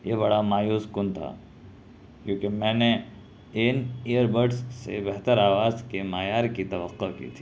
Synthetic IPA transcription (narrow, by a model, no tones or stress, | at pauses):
jebɐɽamaːjuːskʊnt̪ʰa̰ː | kjõːkemɛ̃ːne | ɪneːjəɾbəɾɖsːḛbɛɦt̪əɾaːʋaːzkemaːjaːɾkit̪ɐʋəqːokḭːt̪ʰiː